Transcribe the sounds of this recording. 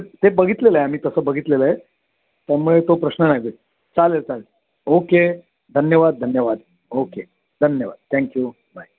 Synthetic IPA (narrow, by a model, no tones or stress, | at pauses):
t̪ebəɡʱit̪leləeam̤iːt̪əsəːbəɡʱit̪leləe | t̪jaɾmuɭet̪opɾəɕnənaɡe | t͡salet͡sal | oke | d̪ʱənjəʋad̪̚ːʱənjəʋad̪ | oke | d̪ʱənjəʋa̰d̪̚t̪ʰɛ̃ŋkju | baj